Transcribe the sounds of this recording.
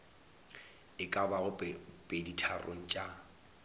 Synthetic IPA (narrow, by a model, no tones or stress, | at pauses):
ɪkʼabaɣʊpʼeditʰarʔo̰ŋ̩t͡ʃʼa